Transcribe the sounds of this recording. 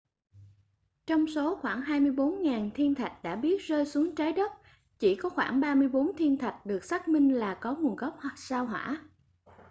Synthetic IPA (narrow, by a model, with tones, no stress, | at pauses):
t͡ɕɔ˧wŋ͡mso˨˦xwaː˧˩ŋɦaː˧jmɨ˧əjɓo˨˦nŋaː˨˩nt̪ʰi˧ənt̪ʰa˨˩k̟̚ɗa̰ː˧˥ɓi˦˥ət̚zəː˧jsu˨˦əŋt͡ɕaː˨˦jɗə˦˥p̚ | t͡ɕi˧˩kɔ˨˦xwaː˧˩ŋɓaː˧mɨ˧əjɓo˨˦nt̪ʰi˧ənt̪ʰa˨˩jk̟̚ɗɨ˨˩ək̚saː˦˥k̚mï˧ŋ̟laː˨˩kɔ˨˦ŋu˨˩ənɣə˦˥p̚hwa˨˩saː˧wɦwa̰ː˧˥